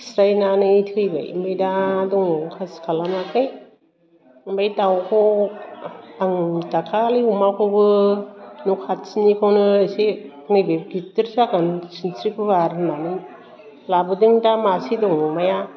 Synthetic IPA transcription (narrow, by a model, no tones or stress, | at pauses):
sɾajnanɯtʰɯjba̰jmbajdadɔŋkʰaskʰalamakʰɯj | mbajtawkʰɔ | aŋtakʰaliumakʰobɯ | nukʰat̚sinikʰawnɯsi | nɯbeɡitɯɾsakɯnsinsɾikʰɯβaɾnanɯ | labɯdiŋtamasidɔŋmaja